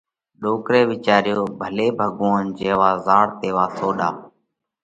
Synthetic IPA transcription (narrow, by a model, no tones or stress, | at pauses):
ɗoːkɾeːʋɪt͡ʃaːɾjoːbʱəleːbʱəɠoːnd͡ʒeːʋaːzaːɽt̪eːʋaːsʰoːɗaː